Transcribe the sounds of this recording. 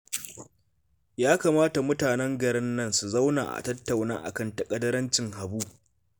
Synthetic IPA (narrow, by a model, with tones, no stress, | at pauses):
jaː˦kaː˨maː˦ta˨mʊ˦taː˨nɛ˦ŋɡɐ˨ɾɪ˦nːɐ˦nsu˨za˦wna̰ː˨ʔa̰˨tɐ˦tːa˨wna̰ː˦ʔa̰˨kɐ˦˨ntɐ˨kʼɐ˦dɐ˦ɾɐ˦nt͡ʃɪ˨ŋha˨buː˦